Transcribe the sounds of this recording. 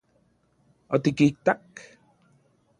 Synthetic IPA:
ot̪ikik̚t̪ak

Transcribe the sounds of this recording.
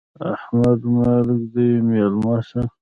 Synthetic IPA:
ahmad̪malɪkd̪əjmelmɑʃa

